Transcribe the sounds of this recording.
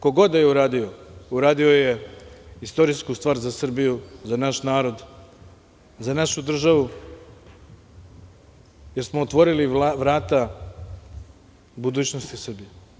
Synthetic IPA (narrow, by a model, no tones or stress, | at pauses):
ko̞ɡo̞d̪ajeuɾaːd̪iouɾaːd̪io̞je̞ist̪o̞ɾiskust̪ʋaːɾzasr̩bijuzanaʃnaːɾo̞d̪ | zanaʃud̪r̩ʒaʋu | je̞ɾsmoot̪ʋo̞ɾiliʋɾaːt̪a | bud̪uːt͡ɕnost̪isr̩bije